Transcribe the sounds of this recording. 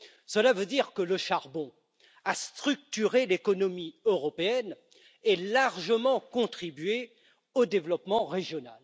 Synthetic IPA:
səlavød̪iʁkələʃaʁbɔ̃ | ast̪χyk̚t̪yʁelekɔnɔmiøʁɔpeɛn | ɛlaʁʒəmɑ̃kɔ̃t̪χibɥe | od̪evlɔpmɑ̃ʁeʒjɔna̰l

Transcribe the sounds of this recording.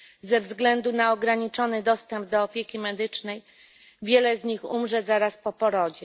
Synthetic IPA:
zɛvzɡlɛnd̪unaɔɡɾaɲit͡ʂɔnɘd̪ɔst̪ɛmb̚d̪ɔːpʲjekʲimɛd̪ɘt͡ʂnɛj | vʲjɛlɛzɲixumʐɛzaɾaspɔpɔɾɔd͡ʑɛ

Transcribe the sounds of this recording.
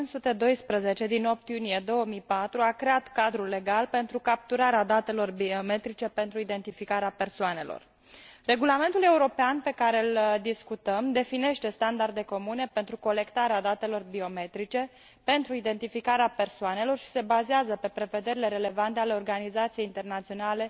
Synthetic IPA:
unsut̪e̞d̪o̞jspɾəze̞t͡ʃe̞d̪ino̞p̚t̪junije̞d̪o̞wəmijpat̪ɾuakɾe̞at̪kad̪ɾulːe̞ɡalpe̞nt̪ɾukap̚t̪uɾaɾead̪at̪e̞lo̞rbiome̞t̪ɾit͡ʃe̞pe̞nt̪ɾuid̪e̞nt̪ifikaɾeape̞rsoane̞̰lo̰r | re̞ɡulame̞nt̪ule̞uɾo̞peanpe̞kaɾe̞ɨld̪iskut̪əmd̪e̞fine̞ʃt̪e̞st̪and̪ard̪e̞ko̞mune̞pe̞nt̪ɾuko̞le̞kt̪aɾead̪at̪e̞lo̞rbio̞me̞t̪ɾit͡ʃe̞ | pe̞nt̪ɾuid̪e̞nt̪ifikaɾeape̞rsoane̞lo̞rʃi̥se̞bazeazəpe̞pɾe̞ve̞d̪e̞ɾile̞ɾe̞le̞vant̪eale̞o̞rɡanizat̪sijeint̪e̞rnat̪sijo̞nale̞

